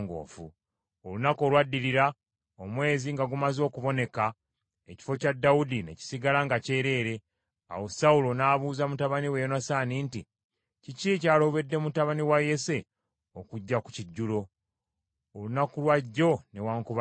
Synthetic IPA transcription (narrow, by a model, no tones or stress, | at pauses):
ŋɡo̰ːfu | olunako̞ːlwadːiliɾa | omwe̞ːziŋɡaɡumazo̞ːkuβo̞ne̞ka | e̞ci̥fo̞cadːawudineci̥siɡalaŋɡace̞ːɾe̞ːɾe̞ | a̰wo̞saulo̞naːβuːzamutaβaniwejonasaːninti | cicicaːlo̞βe̞dːe̞mutaβaniwaje̞se̞ | okuɟːaku̥ciɟːulo̞ | olunakulwaɟːo̞ne̞waːŋkuβa